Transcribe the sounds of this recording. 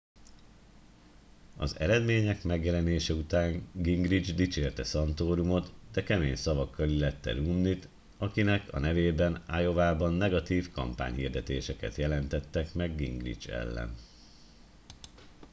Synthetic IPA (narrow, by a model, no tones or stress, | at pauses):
ɒ̰zɛ̰ɾɛd̪meːɲɛkmɛɡjɛlɛneːʃɛut̪aːŋɡiŋɡrid͡ʒd̪it͡ʃeːlt̪ɛsɒnt̪oːɾumo̞t̪d̪ɛkɛmeːɲsɒvɒkːɒlilɛt̪ːɛ̰ɾuːmnit̪ | ɒkinɛkʰɒ̰nɛveːbɛnajo̞vaːbɒnːɛɡɒt̪iːfkɒ̰mpa̰ːɲɦḭːrd̪ɛt̪eːʃɛkɛt̪jɛlɛnt̪ɛt̪ːɛkmɛɡːḭŋɡrḭd͡ʒɛ̰lːɛ̰n